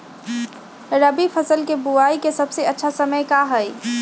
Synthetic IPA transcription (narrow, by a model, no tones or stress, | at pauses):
ɾəbipʰəsəlkebuaikesəbseətːʃʰasəməjkaɦəj